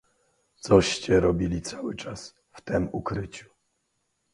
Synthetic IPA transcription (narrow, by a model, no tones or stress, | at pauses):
t̪sɔɕt͡ɕɛɾɔbʲilʲit̪sawɘt͡ʂas | ft̪ɛmukɾɘt͡ɕu̥